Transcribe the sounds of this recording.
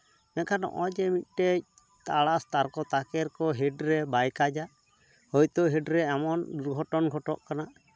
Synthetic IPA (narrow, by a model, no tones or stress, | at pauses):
mɛkʰanɔ̰ʔɔd͡ʒɛmit̪̚ˀʈɛc̚ | t̪aɽast̪aɾkɔt̪akɛɾkɔɦɛɖɾɛbajkad͡ʒaʔ | hɔjt̪ɔɦɛɖɾɛɛmɔnduɾɡʱɔʈɔnɡʱɔʈɔʔkanaʔ